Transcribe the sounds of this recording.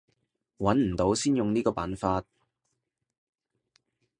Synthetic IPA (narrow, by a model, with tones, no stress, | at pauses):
wɐ˨˥nm̩˨˩t̪o˨˥wsiː˥njʊ˨ŋniː˥kɔː˧pa̰ː˨˥nfaː˧t̚